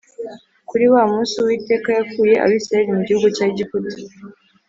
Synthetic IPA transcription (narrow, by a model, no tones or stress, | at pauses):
kuɾiwaːmuːsiwiːte̞ːkajakuːje̞ʔa̰wisaaɾimuɟihuɡucaːiɟipfuti̥